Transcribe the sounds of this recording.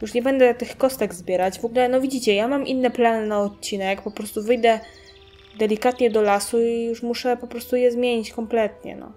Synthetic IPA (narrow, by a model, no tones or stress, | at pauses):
juʂɲɛbɛnd̪ɛt̪ɘxkɔst̪ɛɡzbʲjɛɾad͡ʑvɔɡulɛnɔvʲid͡ʑit͡ɕɛjamamʔinːɛplanɘnaɔt̪̚t͡ɕinɛkjak̚pɔpɾɔst̪uvɘjd̪ɛ | d̪ɛlʲikat̪ɲɛd̪ɔlasuijuʂmuʂɛpɔpɾɔst̪ujɛzmʲjeɲit͡ɕkɔmplɛt̪ɲɛ̰nɔ̰